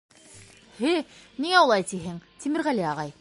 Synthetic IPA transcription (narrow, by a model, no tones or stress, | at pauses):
hɘniŋæulˠɑjt̪iɦɘŋt̪imɘ̆ɾʁæliɑʁɑj